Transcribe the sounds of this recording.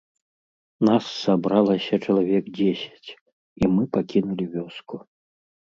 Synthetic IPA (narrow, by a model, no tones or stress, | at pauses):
nasːabɾalˠɐsʲɐt͡ʂɐlˠavʲɛkd͡zʲesʲɐ̥t͡sʲ | imɨpakʲinulʲivʲɔsku